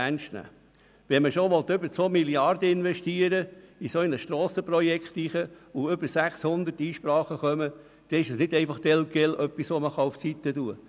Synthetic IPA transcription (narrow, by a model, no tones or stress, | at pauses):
ænʃnæ̰ː | ʋɛnməʃoʋɔlt̪ʏbəɾt͡sʋoːmiljɑrdəɪnʋɛʃtiəɾəisɔinəʃtɾɔːsəpɾɔjɛkʰt̪iχəuʏbəɾsæχshʊnd̪ətiːʃpɾɑːχəχœmə | d̥̪ɛɪʃɛsnɪdɛɪfɑχd̥̪ɛlɡɛlʔœpːisʋoməχɑufsit̪ətuə